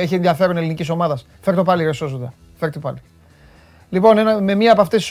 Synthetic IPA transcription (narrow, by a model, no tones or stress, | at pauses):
eçienðiɐfe̞ɾone̞liniciso̞mɐðɐs | fe̞ɾt̪opɐliɾesosud̪ɐ̰ | feɾt̪opɐli | lipo̞nenɐme̞mɲiɐːpoɐft̪esi̥s